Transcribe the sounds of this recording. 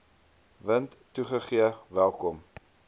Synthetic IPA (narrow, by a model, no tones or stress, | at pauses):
vəntːuχəχiəvælˠkɔm